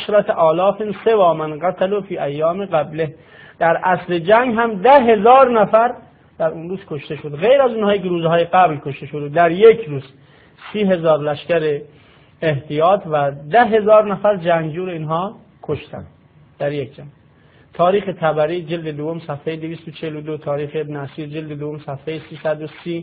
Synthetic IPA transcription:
ʃɾæt̪ʔɒːlɒːfensevɒːmænɢat̪ʰælufiːʔæjːɒːmeɣæbleh | d̪̥æɾʔæsled͡ʒæŋɡɦæmd̪æɦe̞zɒːɾnæfæɾ | d̪̥æɾunɾuːz̥kʰoʃt̪e̞ʃod̪ɣejɾæzuːnhɒːjikeɾuːzhɒːjeɡæblkʰoʃt̪e̞ʃod̪ed̪æɾjekʰɾuːz | siːɦe̞zɒːɾlæʃkæɾeː | ht̪ʰijɒːt̪ʰvæd̪æɦe̞zɒːɾnæfæɾd͡ʒæŋɡd͡ʒuːɾeiːnɦɒː | kʰoʃt̪æ̰nd̪ | d̪̥æɾjekʰd͡ʒæŋɡ | t̪ʰɒːɾiːxet̪ʰæbæɾiːd͡ʒeld̪ed̪ovːomsæfhejed̪eviːst̪ot͡ʃʰehelod̪ot̪ʰɒːɾiːxeebneæsiːɾd͡ʒeld̪ed̪ovomsæfhejesiːsæd̪osiː

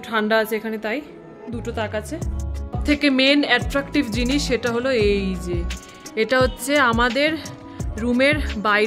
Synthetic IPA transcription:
ʈʰaɳɖaat͡ɕʰeekʰanet̪aj | d̪uʈot̪akat͡ɕʰet̪ʰekemenɛʈɾakʈibd͡ʑiniʃːeʈaɦoloejd͡ʑe | eʈaɦotːɕʰeamad̪eɾː | umeɾbaj

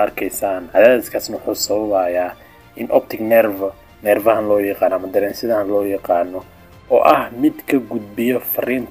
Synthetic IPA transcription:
ɐrkʰɛjsaːnʕɑðaːlɐd̪kʰaːsnɐwʊħuːsɐβɐβaːjaː | ʔɪnʔɔp̚t̪ʰɪknɛrvɐ | nɛrvɐhɐnlɔːjɑqɑːnːɔɐmɐd̪ɐɾɛːnsɪðɐɐnlɔːjɑqɑːnːɔ | ɔ̰ːʔɐhmɪd̪kʰɐɡʊd̪̚bɪjɔfɐriːnt

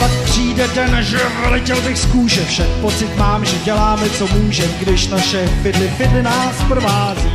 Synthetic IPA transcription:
pak̚pr̝̥iːdɛt̪ɛnaʒvɛlɪcɛlbɪxskuːʃɛfʃak̚po̞t͡sɪt̪maːmʒɛɟɛlaːmɛt͡so̞muːʒɛmɡdɪʃnaʃɛfɪdlɪfɪdlɪnaːspr̩vaːzi

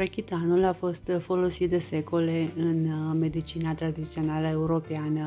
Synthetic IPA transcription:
ɾekʲit̪anulafo̞st̪fo̞lo̞sit̪̚d̪e̞se̞ko̞le̞ɨnme̞d̪it͡ʃinat̪ɾad̪it̪sio̞naləe̞uɾo̞peanə

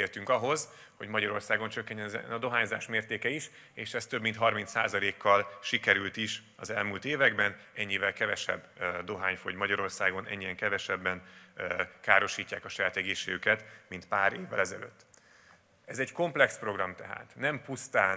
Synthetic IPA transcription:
eːlt̪yŋkɒɦo̞z | ho̞̰ɟmɒɟɒɾo̞rsaːɡo̞nt͡ʃøkːɛɲːɛnɛɒd̪o̞ɦaːɲza̰ːʃmeːrt̪eːkɛiʃ | eːʃɛst̪ø̞bmint̪ɦɒrmint̪sa̰ːzɒleːkːɒlʃikɛɾylt̪iʃ | ɒzɛlmuːlt̪eːvɛɡbɛn | ɛɲːivɛlkɛvɛʃɛ̰b | d̪o̞ɦaːɲfoɟmɒɟɒɾo̞rsaːɡo̞nʔɛ̰ɲːiɛŋkɛvɛʃɛbːɛn | kaːɾo̞ʃiːcːaːkɒʃɒjaːt̪ɛɡeːʃːeːɡykɛt̪mint̪paːɾeːvːɛ̰lɛzɛ̰lø̰ːt̪ː | ɛzɛɟko̞mplɛkspro̞ɡrɒmt̪ɛɦa̰ːt̪nɛmpust̪aːn

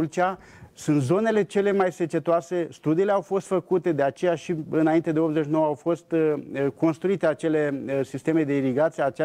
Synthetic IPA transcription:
lt͡ʃʲa | sunt̪zo̞ne̞le̞t͡ʃe̞le̞majse̞t͡ʃe̞t̪oase̞st̪ud̪iːle̞awfo̞st̪fəkut̪e̞d̪e̞at͡ʃe̞jaʃiɨnaint̪e̞d̪e̞o̞pzet͡ʃnowəawfo̞st̪ko̞nst̪ɾuit̪e̞at͡ʃe̞le̞sist̪e̞me̞d̪e̞iɾiɡat̪sijeat͡ʃ

